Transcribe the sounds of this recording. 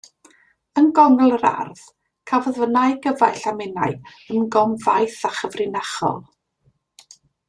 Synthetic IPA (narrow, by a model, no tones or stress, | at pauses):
ənɡɔnl̩ˠəɾa̰rð̥ | kʰavɔðvənajɡəvajɬamɪna̰j | əmɡɔmvajθaχəvrɪnaχɔ̰lˠ